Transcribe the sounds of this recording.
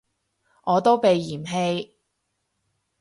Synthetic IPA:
ʔɔː˨˧t̪o˥wpe˨jːiː˨˩mɦe˧j

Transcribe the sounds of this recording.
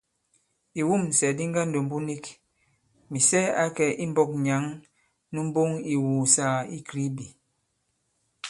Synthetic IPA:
i˨wu˦˨m˨sɛ˨di˦ŋɡa˦n̩˨do˨m̩˨bu˦ni˦k | mi˨sɛ˦a˦kɛ˨ʔi˦m̩˦bɔ˦k̚ɲa˨˦ŋ | nu˦m̩˦bo˦ŋi˨wuː˨sa˨˦˨i˦kɾi˦bi˨

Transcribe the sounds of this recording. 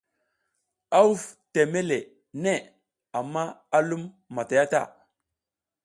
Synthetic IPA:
a˦u˦fte˨me˦le˨ | ne˦˨ | a˨mːa˦a˦lu˦mː | a˨ta˨ja˦ta̰˦˨

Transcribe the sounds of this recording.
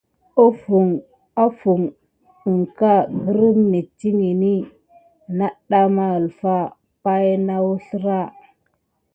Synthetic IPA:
o˦fu˨ŋ | a˦fu˨ŋ | u˨ŋka˦ɡə˦ɾə˦mni˨ti˦ŋi˨ni˦ | na˦ɗa˦ma˦ə˨lfa˦ | pa˦jna˦wu˦ɬɾa˦˨

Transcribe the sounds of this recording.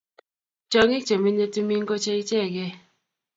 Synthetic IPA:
t͡ʃɔ˨ŋɪ˦t͡ʃo˨mi˦ɲe˦tu˦mi˦ŋ˦ko˦t͡ʃe˦i˦t͡ʃɛ˦˨ɡɛ˦

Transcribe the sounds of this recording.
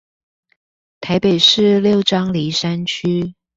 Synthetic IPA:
t̪ʰa˧˥ɪpe˨˩ɪʂɻ̩˥˧ljo˥˩ʊʈ͡ʂɑ˥ŋli˧˥ʂa˥nt͡ɕʰy˥

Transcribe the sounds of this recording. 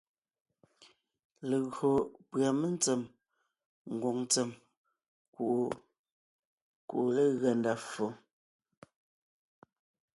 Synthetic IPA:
le˨ɣo˨pɰa˨me˦n˦t͡sɛ˨m | ŋ̩˨ɡo˨ŋt͡se˨m | ku˨ʔ | kṵ˨ʔle˦ɣɛ˨nda˨fo˨

